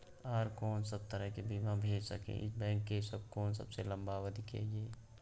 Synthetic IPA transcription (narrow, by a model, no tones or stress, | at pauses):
aːɾkoːnsəb̚t̪əɾəɦkebimãbʱeːd͡ʒsəkḛ̃ʔɪ̰bɛ̃ːŋkːesəb̚koːnsə̰bselə̃mbawəd̪ʱikḛd͡ʒeː